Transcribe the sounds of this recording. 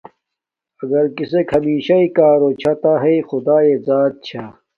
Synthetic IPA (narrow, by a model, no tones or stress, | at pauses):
ɐɡɐɾkisekʰhɐmiːɕaikaːɾoːt͡ɕʰat̪aɦexʊd̪aːeːzaːt̪̚t͡ɕʰaː